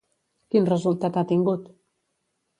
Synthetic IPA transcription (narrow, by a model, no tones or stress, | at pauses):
kinrəzulˠt̪at̪at̪iŋɡut̪